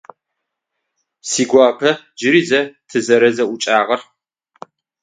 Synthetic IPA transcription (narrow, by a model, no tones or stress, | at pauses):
siːɡʷɑːpʰɐ | d͡ʒɪɾizɐtʰɨzɐɾɐzɐʔʊt͡ʃʼaːʁɐr